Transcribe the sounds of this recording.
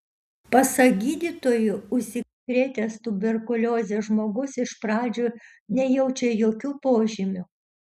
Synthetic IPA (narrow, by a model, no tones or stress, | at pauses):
pɐsɐɡʲiːd̪ʲiːt̪oːjʊʊʃsʲɪkɾʲeːt̪ʲest̪ʊbʲɛɾkʊlʲoːzʲeːʒmoːɡʊsɪʃpɾɑːd͡ʒʲoː | nʲɛjɛʊt͡ʃʲɛjoːkʲuːpoːʒʲɪmʲʊ